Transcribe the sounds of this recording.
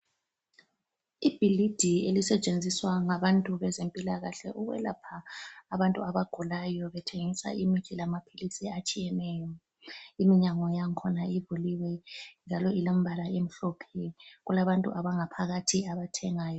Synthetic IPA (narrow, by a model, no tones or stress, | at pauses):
ib̥ʱilid̥ʱielisɛt͡ʃʼend͡zʱiswaŋaβantʼuβɛzempʼilaɣaɬɛʔuɣwɛ̰la̰pʰaːβantʼuaβaɡ̥ʱulajɔβɛtʰeŋisa̰ʔimit͡ʃilamapʰilisiat͡ʃʼijɛnɛjɔ | imiɲaŋɔjaŋkʰɔnaivuliwɛnd͡ʒʱalɔilom̩bʱalaem̩ɬɔpʰɛɣulaβantʼṵʔaβaŋapʰaɣatʰiaβatʰɛŋaːjɔ